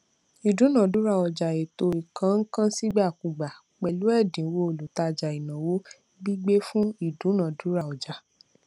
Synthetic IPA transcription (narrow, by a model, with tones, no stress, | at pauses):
i˨dũ˨˦nã˨du˨˦ɾa˧˨ɔ˨d͡ʒa˨e˨to˧i˨kã˨˦ŋ̩˦kã˦si˦ɡ͡ba˦˨ku˨ɡ͡ba˨ | k͡pɛ˨lu˨˦ɛ˦˨dĩ˨˦wo˧˦o˨lu˨˦ta˧d͡ʒa˨i˨nã˨wo˦ | bi˦ɡ͡be˦fũ˦i˦˨dũ˨˦nã˨du˨˦ɾa˧˨ɔ˨d͡ʒa˨